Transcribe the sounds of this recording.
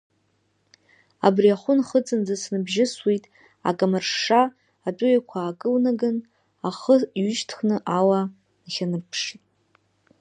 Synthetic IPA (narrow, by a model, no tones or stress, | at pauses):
a̰briaχʷʊnχət͡sʼɨnd͡zasnɨbʒɪswitʼ | a̰kʼamarʂːaː | tʼʊjakʷʰaːkʼɨlnaɡɨn | aχəiɥʏʃtʰχnɨʔawa | nχʲanɨrpʰʂitʼ